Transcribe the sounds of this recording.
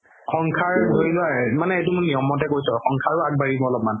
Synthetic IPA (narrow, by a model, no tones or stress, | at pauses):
xɔŋkʰaɹɦojlʊamanɛetumʊnijɔmɔt̬ɛkojsɔxɔŋkʰaɹʊaɡ̚baɹibɔɔlɔp̚man